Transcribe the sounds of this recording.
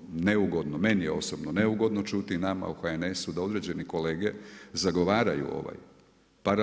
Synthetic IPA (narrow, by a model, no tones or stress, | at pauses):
neuɡo̞d̪nome̞nijeo̞sobnoneuɡo̞d̪no̞t͡ʃut̪inama̰uxaene̞sud̪ao̞d̪ɾe̞ːd͡ʒe̞niko̞leːɡe̞zaɡo̞ʋaːɾajṵo̞̰ʋa̰j | paɾa